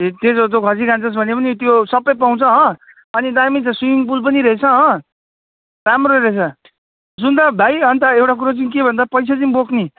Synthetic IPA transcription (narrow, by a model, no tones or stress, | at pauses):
et̪et͡sot̪̬jokʰʌsikant͡sʌs̬bʱʌnepʌnit̪josʌpːʌjpaw̃t͡sʰʌɦʌ̃ | ʌnid̪ajmit͡sʰʌswijump̬ulp̬ʌniɾʌet͡sʰʌɦʌ̃ | t̪amɾoɾʌet͡sʰʌ | d͡zund̪abʱajɦʌnt̪ʌewʈak̬uɾot͡sanĩkebʱʌnd̪apʌjsʰat͡sʌnĩbokʰni